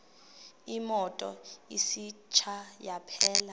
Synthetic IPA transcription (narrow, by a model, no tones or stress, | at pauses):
imɔtʼɔ̰isit͡ʃʰajapʰɛːla